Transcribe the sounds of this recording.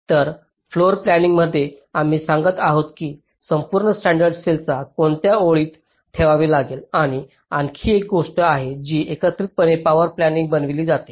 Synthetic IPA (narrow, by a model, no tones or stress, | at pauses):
t̪əɾ | floɾplæniŋɡməd̪ʱːjeam̤iːsãŋɡət̪aɦot̪kiː | səmpuːɾɳəsʈæ̃ɳɖəɾɖselt͡sakoɳt̪jaoɭiːt̪ | t̪ʰːeʋaʋiːlaɡelaɽ̃i | aŋkʰiːek̚ɡoʂʈəaɦed͡ʑiːekət̪ɾiːt̪̚pənepaʋəɾplæniŋɡ̚bənʋiliːd͡zat̪e̥